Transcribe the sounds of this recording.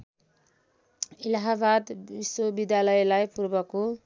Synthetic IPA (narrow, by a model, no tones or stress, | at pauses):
ilaɦabad̪biswobid̪jalʌelajpurbʌko